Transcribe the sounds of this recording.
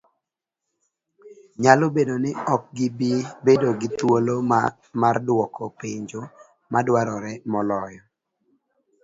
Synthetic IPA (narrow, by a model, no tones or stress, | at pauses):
ɲalobedonɪɔk̚ɡɪbibedoɡɪt̪wolo | mardwɔkɔpeɲd͡ʒo | madwaɾɔɾɛmɔlɔjɔ